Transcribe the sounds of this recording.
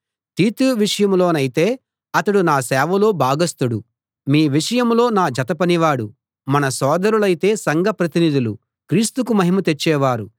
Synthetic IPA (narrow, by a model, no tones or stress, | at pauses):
t̪iːt̪uʋiʂɐjɐmlo̞ːnɐjit̪e̞ː | ɐt̪ɐɽunaːsɛːʋɐlo̞ːbʱaːɡɐst̪uɽu | miːʋiʂɐjɐmlo̞ːnaːd͡ʒɐt̪ɐpɐniʋaːɽu | mɐnɐsɔːd̪ɐɾulɐjit̪e̞ːsɐŋɡʱɐpɾɐt̪inid̪ulu | kɾiːst̪ukumɐɦimɐt̪et͡ʃːɛːʋaːɾu